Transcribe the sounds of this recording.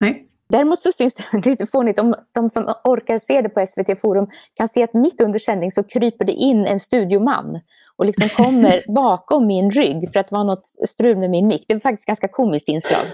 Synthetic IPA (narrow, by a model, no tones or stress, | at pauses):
d̪æɾɪmuːt̪sɔsʏnsd̪ɛliːt̪əfoːnɪt̪ɔmd̪̥ɔmsɔmɔɾkaɾseːd̪ɛpʰɔɛsveːt̪ʰeːfuːɾɵmkʰanseːat̪mɪt̪ːɵnd̪əʂɛnd̪ɪŋsɔkʰɾyːpəɖɛ̰ʔɪnːɛnst̪ʉ̟ːd̪jʊma̰nː | ʔɔlɪksɔmkʰɔmːəɾbɑːkɔmːɪnɾʏɡːfœɾat̪̚vɑːnɔt̪st̪ɾʉ̟ːlmɛmɪnmɪkːd̪ɛɛɾfak̚t̪ɪ̥st̪ɡanskakʰuːmɪskt̪ɪnslɑ̰ːɡ